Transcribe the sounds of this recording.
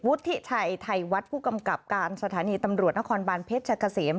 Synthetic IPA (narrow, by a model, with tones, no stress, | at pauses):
wu˦˥t̪ʰːi˦˥t͡ɕʰa˧jt̪ʰa˧jwa˦˥t̪̚pʰuː˥˩ka˧mka˨˩p̚kaː˧nsa˧t̪ʰaː˩˦niː˧t̪a˧mɾu˨˩t̪̚na˥kʰɔː˧nbaː˧npʰe˦˥t̪̚t͡ɕʰa˧˩kʰa˧seː˩˦m